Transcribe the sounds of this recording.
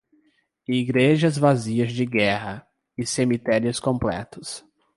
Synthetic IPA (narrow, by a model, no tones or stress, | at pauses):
iɡɾeʒɐzvaziɐzd͡ʒɪɡɛɦɐ | ɪsemit̪ɛɾiʊskõmplɛ̰t̪ʊs